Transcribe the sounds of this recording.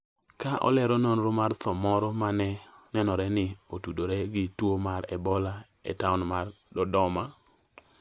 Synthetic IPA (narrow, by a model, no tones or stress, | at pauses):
kaʔɔ̰lɛɾɔnonɾomart̪ɔmɔɾɔmanɛnɛnɔɾɛnɪotudoɾɛɡɪtwomaɾɛbɔla | ḛtaʊnmar | dɔdɔma